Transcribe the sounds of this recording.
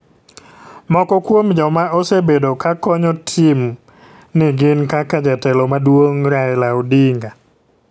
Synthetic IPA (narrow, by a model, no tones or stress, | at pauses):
mɔkɔkwomd͡ʒɔmaɔsebedokakɔɲɔtʰim | nɪɡɪnkakad͡ʒatɛlɔmadwoŋɾaɛlaɔdiŋɡa